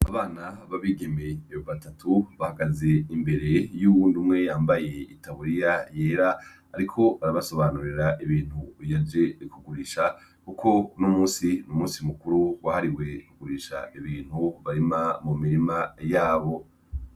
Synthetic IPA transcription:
a̰βaːnaβaβiːɡe̞me̞ːjoβatatʰuβahaɡaze̞imbe̞ɾe̞juwuːndiumŋe̞jaːmbaje̞itaβuɾijaje̞ːɾaː | ɾikʰo̞βaɾaβaso̞βanuɾiɾaʔiβiːn̥hujad͡ʒe̞ikʰuɡuɾiːʃa | kukʰo̞numuːsinumuːsimukuɾuwahaɾiwe̞kuɡuɾiʃa̰iβiːn̥huβaɾimamumiɾimajaːβo̞

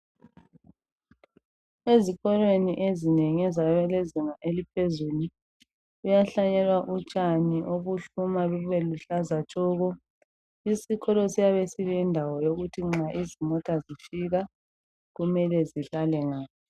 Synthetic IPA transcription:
eziɣɔlweniʔezineŋiɛzajɛleziŋaʔelipʰezuli | ujaɬaɲɛlwaʔut͡ʃʼaniʔoɣuɬumaluɛluɬazat͡ʃʼɔɣɔ | isikʰɔlɔsijaβesilɛndʱawɔjoɣutʰiŋ͡ǁaʔizimɔtʼazifiɣa | ɣumɛlɛziɬalɛŋaːɔ

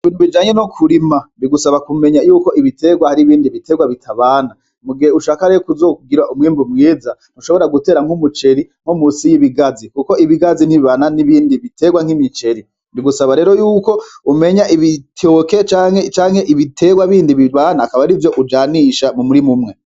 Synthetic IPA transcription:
iβiːn̥uβid͡ʒaːɲenokʰuɾimambiɡusaβakume̞ɲajuːko̞ʔiβite̞ɡwahaɾiβiːndiβite̞ːɡwaβitʰaβaːna | muɡiheuʃaːkahɾejokuzo̞ːkuɡiɾaʔumŋiːmbumŋeːzan̥oʃo̞βo̞ɾaɡute̞ːɾaŋ̥humut͡ʃe̞ɾiŋ̥homuːsijiβiɡazikuko̞iβiɡazin̥hiiβananiβiːndiβitʰe̞ɡwaŋ̥himit͡ʃe̞ɾi | mbiɡusaβaɾe̞ːɾo̞juːko̞ume̞ɲaʔiβitʰoke̞t͡ʃaːŋhe̞t͡ʃaːŋhe̞ʔiβitʰe̞ːɡwaβiːndiβiβaːnaːkaβaɾivjo̞ʔud͡ʒaːniːʃamumuɾimumŋe̞

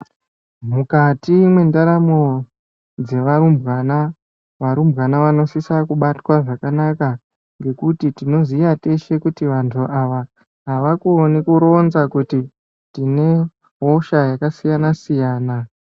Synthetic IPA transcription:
mukatimwe̞ndaɾamo | d͡ze̞ʋaɾumbɣana | ʋaɾumbɣanaʋano̞sisakuɓatwaʐakanaka | ŋɡe̞kutitino̞zijate̞ʃe̞kutiʋantʰuʔaʋa | ɦaʋakuonikuɾo̞nzakuti | tine̞ | ɦo̞ʃajakasijanasijaːna

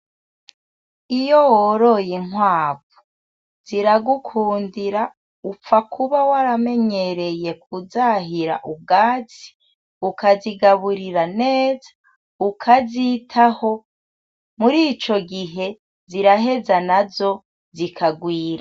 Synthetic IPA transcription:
ijowoɾo̞jiŋ̥waːvu̥ | z̥iɾaɡukʰuːndiɾa | ufakʰuβawaɾame̞ɲe̞ɾe̞je̞kuzaɦiɾa̰ʔuɡaːzi̥ | ukaziɡaβuɾiɾane̞ːzḁ | ukʰazitʰaho̞ | muɾit͡ʃo̞ɡiɦe̞ | ziɾaɦe̞zanazo̞ | zikʰaɡwiːɾa

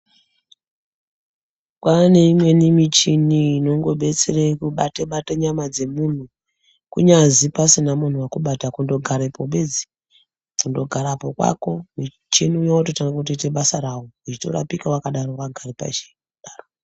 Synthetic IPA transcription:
kwane̞imwe̞nimit͡ʃiniino̞ŋɡo̞ɓe̞t͡serekuɓateɓateɲamad͡ze̞mun̤u | kṵɲazipasinamun̤uwakuɓatakundo̞ɡʱaɾepoɓed͡zi̥ | kundo̞ɡʱaɾapo̞kwa̰ko̞mi | t͡ʃinijowatotaŋɡakut̬iːte̞ɓasaɾawout͡ʃito̞̰ɾa̰pikawakaɗaɾokaɡʱaripa̰t͡ʃi̥ | ɗaːro

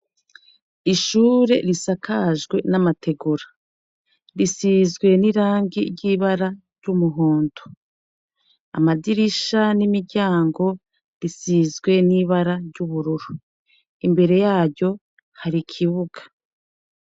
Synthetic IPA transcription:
iʃuːɾe̞ɾisakʰaʒɡwe̞namatʰe̞ɡuɾa | ɾisizɡwe̞niɾaːŋɡiɾɟiβaɾaɾɟ̥umuɦoːndo̥ | a̰madiɾiʃanimiɾɟaːŋɡo̞ | ɾisizɡwe̞niβaɾaɟuβuɾuɾu | imbe̞ɾe̞jaːɾɟo̞ | haɾikʰiβuɡ̥ḁ

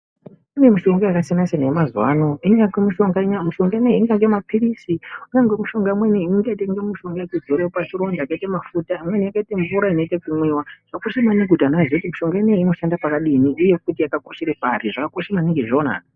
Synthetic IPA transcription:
une̞miʃo̞ŋɡajakasianasanajemazwaːnoiŋɡakwemiʃoŋɡaɲamuʃo̞ŋɡaineiŋɡaɡwemapiɾisiujeŋɡwemuʃo̞ŋɡaimweniiŋɡateŋɡemuʃo̞ŋɡajakid͡zoɾepat͡ʃiɾondajakaitamafutaimwenijakaiteɱvuɾaino̞itakimwiwaʐ̥kakoʃemaniɡʱutanaʐoutimuʃo̞ŋɡainejino̞ʃandapakaɗiniːjekutijakakoʃiɾepaːɾiʐakakoʃemaniŋɡeʐo̞ːna̰

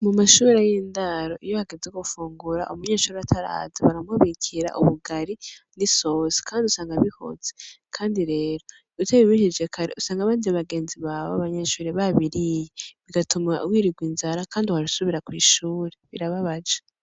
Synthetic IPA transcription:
mumaʃuɾejiːndaɾo̞ʔijohaɡezeɡufuːŋɡuɾa̰ʔumuɲe̞ːʃuːɾeatʰaɾa̰zeβaɾamuβicʰiɾa̰ʔuβuɡaɾi | niso̞si̥kʰaːndiusaːŋɡaβiho̰z̥ekʰaːndiɾe̞ːɾo̞ | uteβiβiʃid͡ʒe̞kʰaɾeʔusaːŋɡaβadiaβaɡe̞ːnziβaːβoaβaɲe̞ːʃuːɾe̞βaβiɾijeβiɡatuma̰wiːɾiɡwiːnzaɾakaːndiuhaɾusuβiɾakwiːʃuːɾeβiɾaβaβad͡ʒḁ

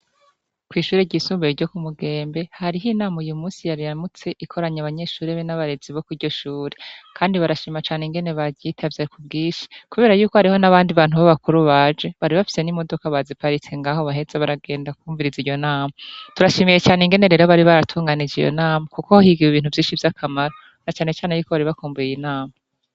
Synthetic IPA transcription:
kwiːʃuːɾeɟisuːmbeɟo̞kumuɡe̞ːmbe̞haɾiɦiːnaːmaujumuːnsijaɾijamut͡se̞ʔikʰo̞ɾaɲaβaɲe̞ʃuːɾeβenaβaɾe̞ziβo̞kiɟo̞ʃuːɾe̞kʰaːndiβaɾaʃiːmat͡ʃaːniŋɡe̞ne̞βaɟiːtʰavjekub̚ɡiːʃi̥kuβe̞ːɾajuːkohaɾiho̞naβaːndiβaːn̥uβaβakuɾuβaːd͡ʒe̞βaɾiβafi̥se̞nimo̞do̞kaβazipaɾit͡se̞ŋɡaːhoβaɦe̞zaβaɾaɡe̞ːndakuːɱviɾizijo̞naːmatuɾaʃiːmijet͡ʃaːneŋɡe̞ne̞ɾe̞ːɾoβaɾiβaɾatʰuːŋɡanid͡ʒijo̞̰naːmakukohahiɡiwiβiːn̥uvjiːʃivjakʰamaɾo | nat͡ʃaːne̞t͡ʃaːnejuːko̞βaɾiβakuːmbujinaːma

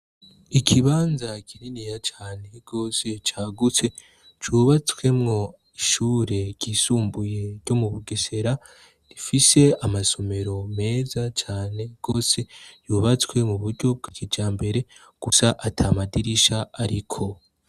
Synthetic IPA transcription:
ikʰiβaːnzakʰininijat͡ʃaːne̞ɡ̥o̞ːse̞t͡ʃaːɡut͡se̞ | t͡ʃuβat͡swe̞mŋo̞ | iʃuːɾe̞̥ɟ̥iːsuːmbuje̞ɾɟo̞muβuɡese̞ɾa | difise̞amaso̞me̞ɾo̞me̞ːzat͡ʃaːne̞ɡ̥o̞ːse̞juːβat͡swe̞muβuɾɟo̞b̚ɡakʰid͡ʒaːmbe̞ɾe̞ | ɡ̥usaʔatʰamadiɾiʃaaɾikʰo̞

